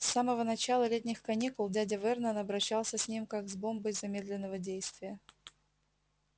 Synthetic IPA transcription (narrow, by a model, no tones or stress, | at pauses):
sːaməvənɐt͡ɕalˠəlʲet̬̚ʲnʲɪxkɐnʲikʊlˠdʲadʲəvɛrnənɐbɾɐɕːalˠsʲəsʲnʲimkaɡzbombəjzɐmʲe̞d̪lʲɪnːəvədʲejst̪vʲɪjə